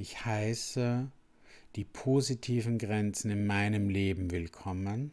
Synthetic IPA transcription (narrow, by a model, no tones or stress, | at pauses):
ɪçhaɪsə | d̥iːpʰoːzitʰiːvn̩ɡʁɛnt͡sn̩ɪnmaɪnəmleːbm̩vɪlkʰɔmən